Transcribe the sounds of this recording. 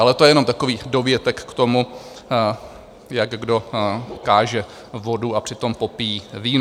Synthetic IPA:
ʔalɛt̪ojɛjɛno̞mt̪ako̞viːdo̞vjɛt̪ɛkːt̪omu | jakɡdo̞kaːʒɛ | vo̞duapr̝̥ɪt̪o̞mpo̞pijiːviːn

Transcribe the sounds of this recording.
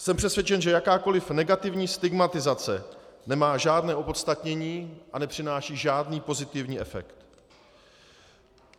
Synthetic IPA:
sɛmpr̝̥ɛsvjɛt͡ʃɛnʒɛjakaːko̞lɪfnɛɡat̪ɪvɲiːst̪ɪɡmat̪ɪzat͡sɛnɛmaːʒaːdnɛːʔo̞po̞t̪st̪at̪ɲɛɲiːʔanɛpr̥ɪnaːʃiːʒaːdniːpo̞zɪt̪ɪvɲiːʔɛfɛ̰kt̪

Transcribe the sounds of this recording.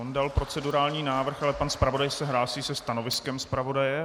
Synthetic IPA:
ondalpɾo̞t͡sɛduɾaːlɲiːnaːvr̩xalɛpanspɾavo̞dajsɛɦlaːsiːsɛst̪ano̞vɪskɛmspɾavo̞dajɛ

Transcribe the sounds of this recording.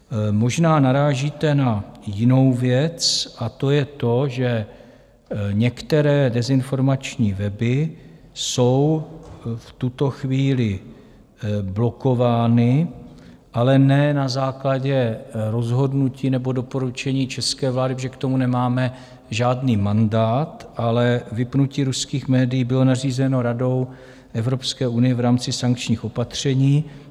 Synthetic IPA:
mo̞ʒnaːnaɾaːʒiːt̪ɛnajɪno̞wvjɛt͡sʔat̪o̞jɛt̪o̞ʒɛ | ɲɛkt̪ɛɾɛːdɛzɪnfo̞ɾmat͡ʃɲiːvɛbɪ | so̞w | ft̪ut̪o̞xviːlɪ | blo̞ko̞vaːnɪ | ʔalɛnɛnazaːklaɟɛɾo̞zɦo̞dnuciːnɛbo̞do̞po̞ɾut͡ʃɛɲiːt͡ʃɛskɛːvlaːdɪpʒɛkt̪o̞munɛmaːmɛ | ʒaːdniːmandaːt̪ʔalɛvɪpnuciːɾuskiːxmɛːdɪjiːbɪlo̞nar̝iːzɛno̞ɾado̞w | ʔɛvɾo̞pskɛːʔunɪjɛvɾaːmt͡sɪsaŋk̚t͡ʃɲiːxʔo̞pat̪r̝̥ɛɲiː

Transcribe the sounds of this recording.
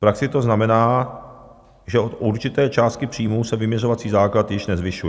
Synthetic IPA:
fpɾaksɪt̪o̞znamɛnaː | ʒɛʔot̪ʔuɾt͡ʃɪt̪ɛːt͡ʃaːst̪̚kɪpr̥iːmusɛvɪmɲɛro̞vat͡siːzaːklat̪jɪʃnɛzvɪʃujɛ

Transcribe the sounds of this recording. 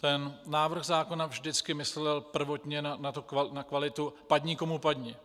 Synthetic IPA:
t̪ɛnnaːvr̩ɣzaːko̞navʒdɪt͡skɪmɪslɛlpr̩vo̞t̪ɲɛnanat̪okvanakvalɪt̪upad̪ɲikomupad̪ɲi

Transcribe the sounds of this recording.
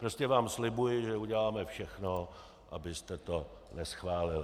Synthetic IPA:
pɾo̞scɛvaːmslɪbujɪʒɛuɟɛlaːmɛfʃɛxno | ʔa̰bɪst̪ɛt̪o̞ | nɛsxvaːlɪl

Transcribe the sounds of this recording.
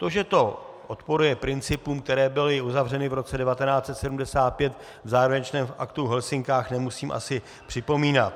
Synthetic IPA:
t̪o̞ʒɛt̪o̞ | ʔot̪po̞ɾujɛpɾɪnt͡sɪpuːmk̚t̪ɛɾɛːbɪlɪuzavr̝ɛnɪvɾo̞t͡sɛdɛvat̪ɛnaːt͡sɛt̪sɛdumdɛsaːt̪̚pjɛt̪ | vzaːɾovɛɲt͡ʃnɛːmfʔa̰kt̪uɦɛlsɪŋkaːxnɛmusiːmʔa̰sɪ | pr̥ɪpo̞miːnat̪

